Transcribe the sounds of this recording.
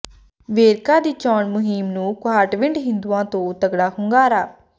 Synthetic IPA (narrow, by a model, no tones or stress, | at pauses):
ʋeːɾkãːd̪iːt͡ʃɔːɳmʊɦimnũːkʊɦaːʈʋɪ̃ɳɖɦɪ̃nd̪uːãːt̪õːt̪əɡɽaːhʊŋɡaːɾaː